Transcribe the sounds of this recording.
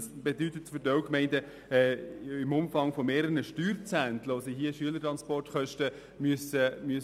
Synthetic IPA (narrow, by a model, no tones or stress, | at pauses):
sb̥edytətfʏdœkmɛɪndə | ɛɪmʊmfɑŋfomeːɾəənəʃtyːɾt͡sæntloːsiɦiəʃyələɾtʁɑnspɔrtχœʃtə | myəsəmyə